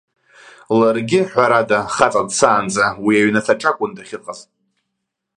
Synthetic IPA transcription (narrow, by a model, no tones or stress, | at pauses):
larɡʲɪħʷᶣaɾadaχat͡sʼadsaːnd͡zawiaɥnatʰaʈ͡ʂʼakʷʼʊndaχʲɪqʼazʼ